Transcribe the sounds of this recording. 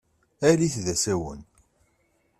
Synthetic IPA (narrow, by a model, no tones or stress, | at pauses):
æɾiθðæsæwə̰n